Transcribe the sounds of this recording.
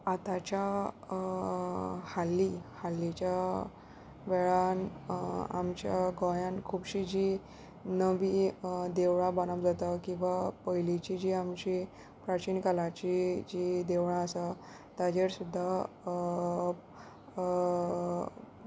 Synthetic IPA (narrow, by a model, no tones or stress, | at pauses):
at̪at͡ɕja | halːihalːit͡ɕa | ʋɛɭan | a̰mt͡ɕjaɡɔjãnkʰubɕid͡ʑi | nəʋiːd̪eʋɽ̃ãbanapd͡zat̪akĩw̃ʋapəjlit͡ɕid͡ʑiːamt͡ɕi | pɾat͡ɕiːnkalat͡ɕid͡ʑid̪eʋɽãəsa | t̪ad͡ʑeɾsud̪ʱːa